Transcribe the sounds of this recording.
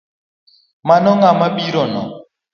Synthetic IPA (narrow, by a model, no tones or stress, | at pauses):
manɔŋamaɓiɾɔnɔ̰